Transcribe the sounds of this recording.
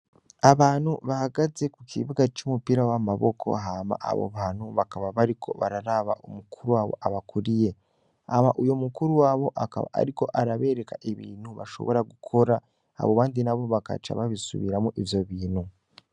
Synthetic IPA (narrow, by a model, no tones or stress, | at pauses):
aβaːn̥huβahaɡaze̞kukʰḭβuɡat͡ʃumupiɾawamaβokʰo̞̰ɦama̰ʔa̰βo̰βaːn̥uβakaβaβaɾikʰo̞̰βa̰ɾaɾaβaʔṵmukʰuɾuwaːβo̞̰ʔaβakʰuɾije̞ | amaʔujo̞mukuɾuwaːβo̞ʔakaβa̰a̰ɾiko̞ʔaɾaβe̞ːɾe̞kaʔeβḭːn̤̥huβa̰ʃo̞̰βo̞ɾaɡukʰo̞ɾa | a̰βoβaːndinaβo̞βaka̰t͡ʃa̰βaβisṵβiɾamuʔivjo̞βiːnhu